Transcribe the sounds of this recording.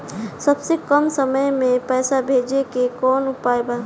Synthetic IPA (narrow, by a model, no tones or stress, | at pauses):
səbsekəmsəməjmẽpɛːsabʱeːd͡ʒekekɔːnʊaːjbaː